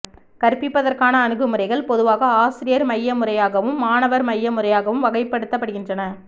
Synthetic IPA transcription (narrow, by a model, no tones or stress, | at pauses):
kɐɾpːɪpːɐðɐɾkaːnɐːnɯɣɯmɯrɐɪɣɐɭpɔðɯʋaːɣɐaːsɪɾɪjɐɾmɐjːɐmɯrɐjaːɣɐʋɯmːaːnɐʋɐɾmɐjːɐmʊrɐjaːɣɐʋɯmʋɐɣɐɪpːɐɽɯt̪ːɐpːɐɽɯɣɪndrɐnɐ